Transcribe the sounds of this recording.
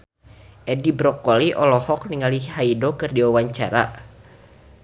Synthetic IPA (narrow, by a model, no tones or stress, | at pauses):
ʔɛdibɾɔkɔliʔɔlɔhɔk̚niŋalihaidokɨrdiwawaɲt͡ʃa̰ɾa̰